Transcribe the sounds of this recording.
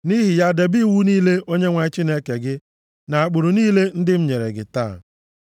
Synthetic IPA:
ni˦ɦi˨ja˦˨de˨bi˦˨wu˦niː˦le˦ʔo˦ɲe˦ŋʷa˨˦t͡ʃi˦ne˦ke˨ɡɪ˦ | na˨a˨k͡pʊ˨ɾʊ˨niː˦le˦n̩˦dɪ˦m̩˦ɲe˨ɾḛ˨ɡɪ̰˨ta̰˦˨

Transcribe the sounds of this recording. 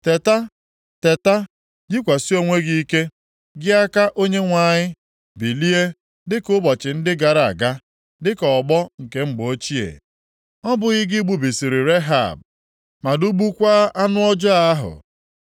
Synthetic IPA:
te˨ta˦ | te˨ta˦ | d͡ʒi˦kʷa˨si˦o˦ŋʷe˦ɡi˦i˦ke˦ | ɡɪ˦a˦ka˦ʔo˦ɲe˦ŋʷa˨ɲɪ˦ | bi˨li˦e˦ | dɪ˦kʊ˦bɔ˨t͡ʃɪ˨n̩˦dɪ˦ɡa˨ɾa˨a̰˨ɡa˦ | dɪ˦kɔ˨ɡ͡bɔ˦ŋ̩˨ke˦m̩˦ɡ͡bo˦t͡ʃi˦ḛ˨ | ɔ˦bʊ˨ɣɪ˦ɡɪ˦ɡ͡bu˨bi˨si˨ɾi˨ɾe˦ɦa̰˨b̚ | ma˨du˦ɡ͡bu˦kʷa˦a˦nʊ˦ɔ˦d͡ʒɔ˦a˦ɦʊ̰˨

